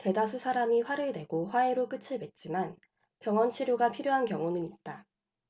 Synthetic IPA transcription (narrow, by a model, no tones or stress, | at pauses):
te̞dasʰusʰaɾamiɸwaɾɯɭne̞ɡoɸwae̞ɾok͈ɯt͡ɕʰiɭbet̚t͡ɕ͈iman | pjʌŋʌnt͡ɕʰiɾjoɡapʰiɾjoɦankjʌŋonɯnit̚t͈a